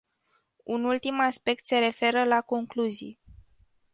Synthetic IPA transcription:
unult̪imaspe̞k̚t̪se̞ɾe̞fe̞ɾəlako̞ŋkluzḭj

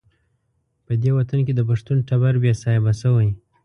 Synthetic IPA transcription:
pəd̪ewat̪ank̬ed̪əp̬aʂt̪unʈabaɾbjasɑjabasəwəj

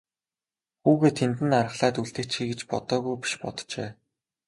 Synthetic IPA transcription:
xuːɣeːt̪ʰːent̪̬ɘ̆naɾə̆χɮaːt̪uɮt̪ɘ̆kʰt͡ɕxiːɡet͡ɕpɔ̰t̪ɔːɣujpi̥ʃpɔ̰t̪t͡ɕeː

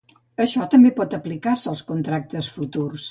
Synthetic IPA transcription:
əʃɔt̪əmbepɔt̪əplikarsəəlˠskunt̪ɾak̚t̪əsfut̪urs

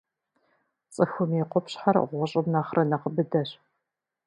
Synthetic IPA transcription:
t͡sʼɨxʷʊmiqʷɔpɕħarʁʷɔɕʼɪmnaːχrʔɐnɐqəbɨdɐɕ

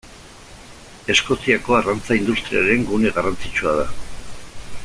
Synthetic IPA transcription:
e̞sko̞siako̞arant͡saind̪ust̪ɾiaɾe̞ŋɡune̞ɣarant͡sit͡ʃuaða

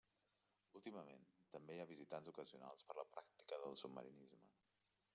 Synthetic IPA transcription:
ulˠt̪iməmḛnt̪əmbejaβizit̪anzukəziuna̰lˠspəɾləpɾak̚t̪i̥kəðəlˠsubmə̰ɾinizmə

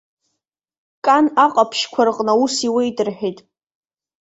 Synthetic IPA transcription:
kʼanaqʼapʰʃkʷʰarqʼnausiwejtʼɨrħᶣejtʼ

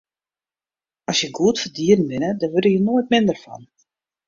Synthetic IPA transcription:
ɔsjəɡuətfərdiːərnʋɪnədɔʋødəjənoːət̚mɪndərfɔ̰n

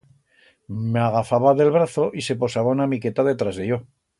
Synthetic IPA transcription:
meaɣ̞afaβaðe̞lβɾaθo̞ʔise̞po̞saβaunamike̞t̪aðe̞t̪ɾazðeʝo̞

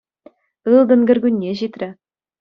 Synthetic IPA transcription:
ɯlˠd̪ɤ̆nɡʲɘ̆rʲɡʲynʲːeʑit̪rʲɘ̆

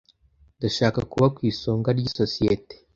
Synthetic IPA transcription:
daʃaːkakuβakwiːsoːŋɡaɾɟisosijete̥

